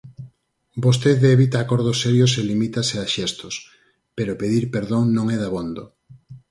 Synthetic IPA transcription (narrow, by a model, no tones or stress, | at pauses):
bos̬t̪eðeβit̪aːkoɾð̞osːɛɾjoselimit̪aseaʃɛst̪os | peɾopeðiɾpeɾðoŋnõŋɛðaβond̪o